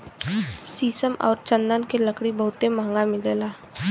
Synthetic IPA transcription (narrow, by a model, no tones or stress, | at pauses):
siːsəmɔ̰ːɾt͡ʃə̃nd̪ənkeləkɽibɐɦʊt̪emãŋɡamɪleːlaː